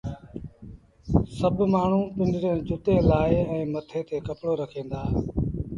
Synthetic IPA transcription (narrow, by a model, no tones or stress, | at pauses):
səbmaːɳ̤ũːpɪ̃nd͡ʒɾẽːd͡ʒʊt̪eːlaːeɛ̃ːmət̪ʰeːt̪ʰeːkəpɽoːɾəkʰẽːn̆d̪aː